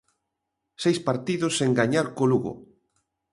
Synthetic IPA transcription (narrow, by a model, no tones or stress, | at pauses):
sejspaɾt̪iðʊseŋɡaɲaɾkoluɣo̰